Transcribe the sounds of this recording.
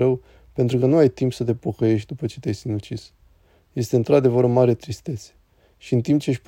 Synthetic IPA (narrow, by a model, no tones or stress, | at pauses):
əw | pe̞nt̪ɾukənuajt̪impsət̪̬e̞po̞kəje̞ʃt̪̚ʲd̪upət͡ʃe̞t̪ejsinut͡ʃis | je̞st̪eɨnt̪ɾad̪e̞vəɾɨnmaɾet̪ɾist̪e̞t̪se̥ | ʃiɨnt̪imp̚t͡ʃe̞ʃʲp